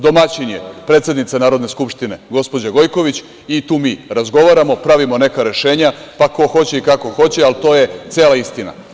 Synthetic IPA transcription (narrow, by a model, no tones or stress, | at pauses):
d̪o̞mat͡ɕinjepɾet̪sjed̪nit̪sanaːɾod̪neskupʃt̪ine̞ɡo̞spo̞d͡ʑaɡo̞jko̞ʋit͡ɕ | it̪uːmiːɾazɡo̞ʋaɾamo̞pɾaʋimo̞ne̞kaɾe̞ʃe̞ːɲapako̞xo̞t͡ɕe̞ikako̞xo̞t͡ɕe̞alt̪o̞je̞t̪sjeːlaist̪ina̰